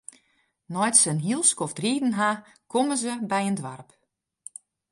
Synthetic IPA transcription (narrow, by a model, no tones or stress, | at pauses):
nɔjtsənɦilˠskɔftriːdn̩ɦa | koməzəbɛjəndʋarp